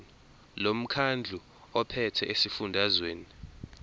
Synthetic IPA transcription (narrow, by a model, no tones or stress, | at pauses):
lom̩kʰand͡ɮʱu | ɔpʰɛtʰɛʔesifundʱazweːni